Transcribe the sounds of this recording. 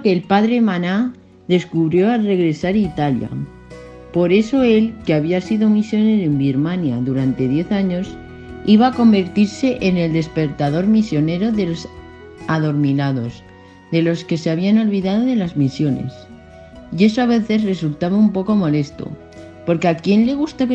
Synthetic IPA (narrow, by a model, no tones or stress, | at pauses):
keːlpaðɾemãna | ðe̞skuβɾjo̞are̞ɣ̞ɾe̞saɾit̪alja̰ | po̞ɾe̞so̞e̞lkeaβiasiðomisjo̞ne̞ɾoembiɾmãnjaðuɾant̪e̞ðje̞θaɲo̞s | iβaːko̞mbe̞ɾt̪iɾse̞ʔene̞ld̪e̞spe̞ɾt̪aðo̞ɾmisjo̞ne̞ɾo̞ðe̞lo̞s | aðo̞ɾminaðo̞s | ðe̞lo̞ske̞seaβ̞iano̞lβiðað̞o̞ðe̞lazmisjo̞ne̞̰s | je̞soaβe̞θe̞zre̞sult̪aβaumpo̞ko̞mo̞le̞st̪o̰ | po̞ɾkeakje̞nle̞ɣ̞ust̪aβ